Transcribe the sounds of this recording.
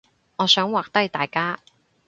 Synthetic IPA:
ŋɔː˨˧sœː˨˥ŋwaː˨k̚t̪ɐ˥jt̪aː˨jkaː˥

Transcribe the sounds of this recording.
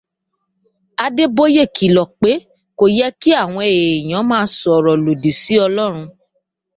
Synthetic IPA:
a˧de˦bo˦je˦˨ki˨lɔ˨k͡pe˨˦ | ko˨jɛ˦ki˦a˦˨w̃ɔ̃˧e˨j̃ã˨˦mãː˦˧˦sɔ˨ɾɔ˨lo˨di˨si˨˦ɔ˧lɔ˦ɾ̃ũ˧

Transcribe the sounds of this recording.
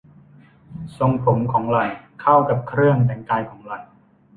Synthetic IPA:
so˧ŋpʰo˩˦mkʰɔː˩˦ŋla˨˩jkʰa˥˩wka˨˩p̚kʰɾɯ˥˩əŋt̪ɛː˧˩ŋkaː˧jkʰɔː˩˦ŋla˨˩j

